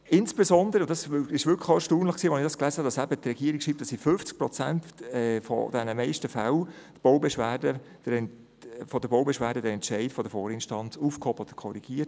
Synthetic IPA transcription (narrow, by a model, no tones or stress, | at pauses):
ɪnsb̥ezɔnd̪əɾəʊnd̥ɑsɪʃʋʏkʰəxoɛʃtuːnləχksiːʋɛnɪχd̥ɑsklæːzəhɑd̥ɑsæbətrɛɡiːəɾikʃiːp̚t̪ɑsifʏnft͡sk̚pɾɔt͡sæntɛfɔ̰d̥̪ɛnəmɛɪʃtəfal | tb̥oʊbɛʃʋæːdə | d̥əɛn | fɔd̥əbowbɛʃʋæːɾdədəɾɛnt͡ʃɛɪtfɔdəfɔːɾɪnʃtɑnt͡sufkhɔb̥əɔd̥̪ə̥kʰɔɾiɡ̥iːət